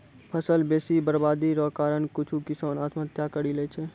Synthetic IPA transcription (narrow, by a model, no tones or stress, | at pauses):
pʰəsəlbeːsibəɾbaːd̪iɾɔːkaːɾənkʊt͡ʃʰukɪsaːnaːt̪mət̪jakəɽileːt͡ʃʰeː